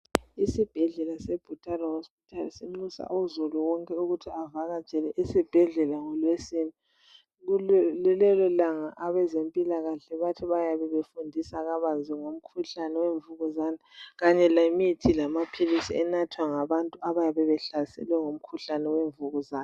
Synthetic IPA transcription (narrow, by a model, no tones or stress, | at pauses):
isib̥ʱɛɮɛlasɛb̥ʱutʼarɔhospi̥tʰalisiŋ͡ǀusa̰uzuluwɔŋkʼɛuɣutʰiavaɣḁt͡ʃʼɛlɛʔisib̥ʱɛɮɛlaŋɔlwesini | ɣulɛlɛlɔlaŋaʔaβɛzempʼilaɣaɬɛβatʰiβajaβɛβefundʱisaɣaβaziŋom̩kʰuɬanɛweɱvuɣuzaːnaɣaɲɛlamitʰilamapʰilisḭɛnatʰwaŋaβantʼuʔaβajaβɛβɛɬasɛ̰lwɛŋom̩kʰuɬanɛweɱvuɣuzaːn